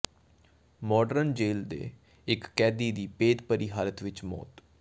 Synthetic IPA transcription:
mɔːɖəɾnd͡ʒeːld̪ḛː | ɪkːɛːd̪iːd̪iːpeːd̪pəɾiːɦaːlət̪ʋɪt͡ʃmɔ̰ːt̪

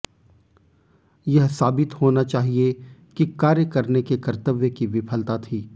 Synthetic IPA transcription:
jɐɦsaːbɪt̪ɦoːnat͡ʃaːɦiekikaːɾjəkɐɾnekekɐɾt̪əʋjəkiʋɪpʰəlt̪at̪ʰiː

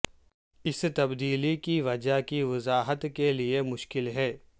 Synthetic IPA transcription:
ɪst̪ɐbd̪iːlikiʋɐd͡ʒakiʋɐzaːɦət̪keliemʊʃkɪlɦɛː

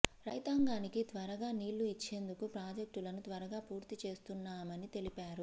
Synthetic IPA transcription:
ɾɐjt̪aːŋɡaːnikit̪ʋɐɾɐɡaːniːlːuit͡ʃːe̞ːnd̪ukupɾaːd͡ʒek̚ʈulɐnut̪ʋɐɾɐɡaːpuːɾt̪it͡ʃe̞ːst̪unːaːmɐnit̪e̞lipaːɾu

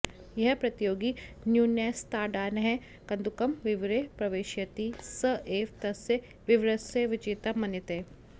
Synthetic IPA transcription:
jɐɦpɾɐt̪joːɡinjuːneːst̪aːɖaːnɦɛ̃ | kɐ̃nd̪ukɐmʋɪʋɾepɾɐʋeːʃjɐt̪isəʔeːʋt̪ɐse | ʋɪʋɾɐseʋɪt͡ʃɪt̪ɐmɐnɪt̪eː

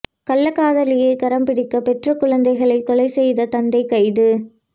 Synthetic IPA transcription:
kɐlːɐkːaːðɐlɪjekɐɾɐmpɪɽɪkːɐpɛʈrɐkʊɻɐnd̪ɐɪɣɐɭɐɪt̪ɔlɐɪsɛjðɐt̪ɐnd̪ɐɪkːɐɪðɯ

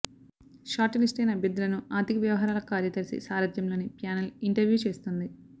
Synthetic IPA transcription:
ʃaːʈɐlisʈɐjnɐbjɐd̪ːulɐnuaːt̪ikʋjɐʋɐɦaːɾaːlɐkaːɾjɐd̪ɐɾisḭsaːɾɐd̪jɐmlo̞ːnipjaːnɐliɳʈɐɾjuːt͡ʃe̞ːst̪und̪i

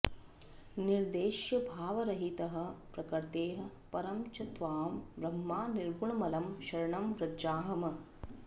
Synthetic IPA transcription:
niɾd̪eːʃjɐbʱaːʋɐɾɐɦit̪ɐɦɐ̆pɾɐkɐɾt̪eːɦɐ̆pɐɾɐmt͡ʃɐt̪ʋaːmʋɾɐmːaːniɾbʱuɳɐmɐlɐmʃɐɾɐɳɐmʋɾɐd͡ʒaːɦɐmɐ

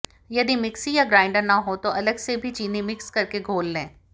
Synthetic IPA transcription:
jɐd̪imɪksijaɡɾaːɪ̃ɳɖəɾnɐɦot̪oʔɐləɡsebʱit͡ʃiːnimɪkskɐɾkeɡʱoːlːẽː

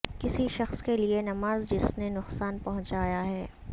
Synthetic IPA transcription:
kɪsiʃɐxskelienɐmaːzd͡ʒɪsnenʊqsaːnpɐɦʊ̃ɲt͡ʃaːjaɦɛː

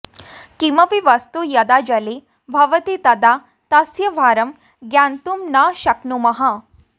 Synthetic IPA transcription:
kimɐʋiʋɐst̪ujɐd̪ad͡ʒɐle | bʱɐʋɐt̪it̪ɐd̪a | t̪ɐsjɐʋʱaːɾɐm | ɡjant̪umnaʃɐknumɐɦa

